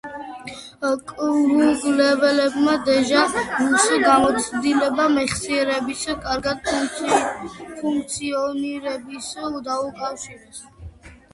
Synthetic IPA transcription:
kʼɾuɡlɛvɛlɛbmad̪ɛʒamusɡamɔt̪sʰd̪ilɛbamɛχsiɛɾɛbiskʼaɾɡad̪̚ | pʰuŋkʰʼt̪sʰiɔniɾɛbisd̪aukʼafʃiɾɛs

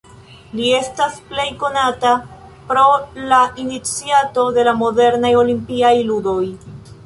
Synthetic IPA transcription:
lie̞stasple̞jko̞natapɾo̞laʔinit͡siato̞de̞lamo̞de̞ɾnajo̞limpiajludo̞j

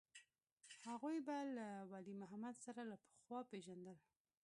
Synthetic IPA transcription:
haɣujbalawɑlimʊɦamad̪saɾalapə̥xwɑpeʒand̪əl

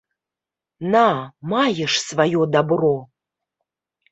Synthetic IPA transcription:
namajəʂsvajod̪abro

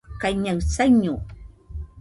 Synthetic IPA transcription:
kajɲawt͡saɲu

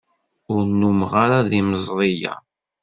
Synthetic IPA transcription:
ʊɾnːumʁaɾaðiməzˤɾˤija̰

